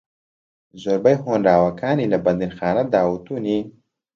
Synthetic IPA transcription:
zoɾbajɦonɾaːwakɑːnilabɐnd̪inxɑːnad̪aːwut̪uni

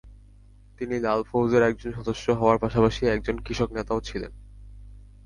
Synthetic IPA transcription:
t̪inilalfowzeɾɛk̚d͡ʑonʃɔd̪oʃːoɦɔoaɾpaʃapaʃiɛk̚d͡ʑonkɾiʃoknet̪aot͡ɕʰilḛn

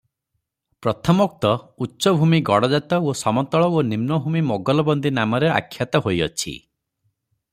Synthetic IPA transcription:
pɾɔt̪ʰɔmɔk̚t̪ɔutːʃɔbʱumiɡɔɽɔd͡ʒat̪ɔosɔmɔnt̪ɔɭɔonimnɔbʱumimɔɡɔlɔbɔnd̪inamɔɾea̰kʰːjat̪ɔɦojɔt͡ʃʰḭ

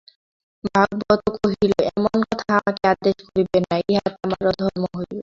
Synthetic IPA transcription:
bʱaɡ̚bɔt̪okoɦiloɛmonkɔt̪ʰaamakead̪eʃkoɾibenːaeɦat̪eamaɾod̪ʱɔɾmoɦoj

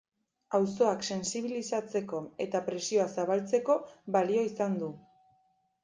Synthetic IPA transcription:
awso̞akse̞nsiβ̞ilisat͡se̞ko̞e̞t̪apɾe̞sio̞asaβalt͡se̞ko̞βalio̞isand̪u

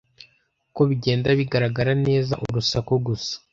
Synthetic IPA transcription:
ko̞βiɟe̞ːndaβiɡaɾaɡaɾane̞ːzaʔṵɾusakoɡusḁ

